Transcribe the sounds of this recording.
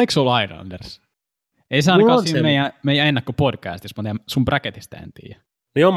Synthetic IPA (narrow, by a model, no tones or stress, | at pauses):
iksolɑilɑ̰nders | eisɑːˑnkːɑsimeijæ̃meijæ̃enːækːopodkæ̰ːst̪ismut̪ɑjɑsumbræket̪ist̪æ̰ḛnt̪ḭːjæ | niom